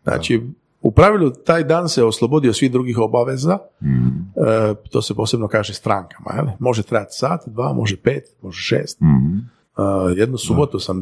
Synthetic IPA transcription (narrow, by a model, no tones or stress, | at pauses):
nʔa̰ːt͡ʃi | upɾaʋilʲˠut̪aːjd̪aːnseoslˠobod̪iosʋiɣd̪ɾuːɡixo̞baʋeza | t̪o̞ːsepoːsebnokaːʒest̪ɾaːŋkḁma̰jḛlimo̞ʒet̪ɾajat̪saːt̪d̪ʋaːmʔo̞ʒepe̞ːt̪mo̞ʒeʃḛːst̪ | əjed̪nusubo̞t̪usam